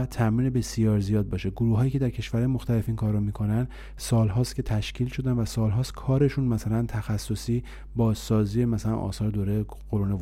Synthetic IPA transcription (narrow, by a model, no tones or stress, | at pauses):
t̪ʰæmiːnebe̞sijɒːɾzijɒːd̪̚bɒːʃe̞ɡoɾuːɦɒːjiːcʰe̞d̪æɾcʰe̞ʃvæɾhːjemo̞xt̪æle̞finkʰɒːɾːɔmiːkʰo̞næn | sɒːlɦɒːst̪kʲcʰe̞t̪ʰæʃcʰiːlʃo̞d̪ænvæsɒːlɦɒːst̪kʰɒːɾe̞ʃunmæsælænt̪ʰæxæsːo̞siː | bɒːzsɒːziːemæsælæ̰nʔɒ̰ːsɒːɾed̪oːɾeje | ɢoɾune